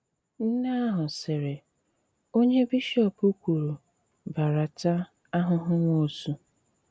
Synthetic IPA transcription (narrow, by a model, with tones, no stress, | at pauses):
n̩˦na˦a˦ɦʊ˨sɪ˨ɾe˨ | o˦ɲe˦bi˦ʃɔ˦˨pu˦kʷu˨ɾu˨ | ba˨ɾa˨ta˦ | a˦ɦʊ˦ɦʊ˦ŋʷo˦˨su˦